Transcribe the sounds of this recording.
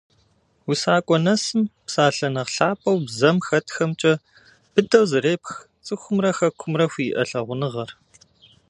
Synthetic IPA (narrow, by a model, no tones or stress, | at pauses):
wusaːkʷʼɔnɐsɨmpsaːɬɐnɐʁɬaːpʰʼɐwbzɐmxɐtxɐmt͡ʃʼɐ | b̥ɨdɐwzɨreːpx | t͡sʼɨxʷʊmrɐxɐkʷʰʊmrɐxʷiːʔɐ̰ɬɐʁʷʊnɨʁɐr